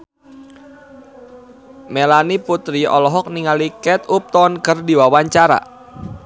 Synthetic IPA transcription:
melaniput̪ɾiʔɔ̰lɔɦɔk̚niŋalikɛt̪up̚t̪ɔnkərdiwawaɲt͡ʃaɾa̰

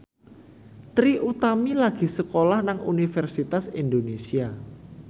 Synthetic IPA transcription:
t̪ɾiʔut̪amilaɡ̥i̤səkolahnaŋṵnifɛrsit̪asind̪onesia

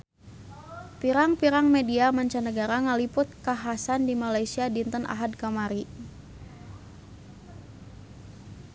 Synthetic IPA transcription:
piɾaŋpiɾaŋmediamaɲt͡ʃanəɡaɾaŋalipʊt̪̚kaɦasandimalajsiadint̪ənʔa̰ɦad̚kamaɾi

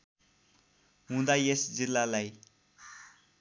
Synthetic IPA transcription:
ɦũd̪ajesd͡zilːalaj

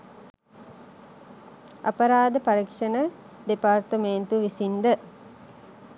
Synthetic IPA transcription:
ɐ̰pɐɾaːd̪əpaɾikʂənə | ɖepart̪əment̪uʋisind̪ə

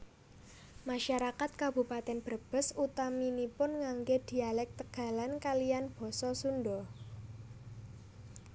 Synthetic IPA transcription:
maʃaɾakat̪̚kabṳpat̪ɛnb̥ərb̥ə̤sut̪aminipʊnŋaŋɡed̪̥i̤alɛk̚t̪əɡ̥a̤lankalijanb̥ɔ̤sɔsundɔ

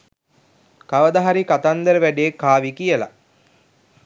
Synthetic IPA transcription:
kaʋəd̪aɦaɾikat̪and̪əɾəʋæɖejekːaːʋikijəla̰

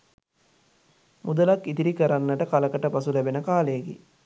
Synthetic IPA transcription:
mʔud̪əlakːit̪iɾikəɾanːəʈəkaləkəʈəpasulæbenəkaːlejːɡḛ

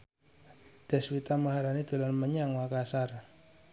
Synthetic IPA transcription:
d̪̥ɛ̤swit̪aməɦaɾanid̪̥o̤lanməɲaŋwakasar

